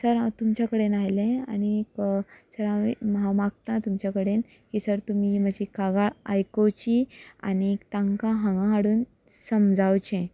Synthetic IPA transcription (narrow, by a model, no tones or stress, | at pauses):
səɾt̪umt͡ɕakəɽenajlẽa̰ñiksəɾaḭmɦamaɡ̚t̪at̪umt͡ɕakəɽen | kisəɾt̪umim̤əd͡ʑʱikaɡaajkot͡ɕia̰nikt̪ãŋkãɦãŋɡãɦaɽuːn | səmd͡zawt͡ɕẽ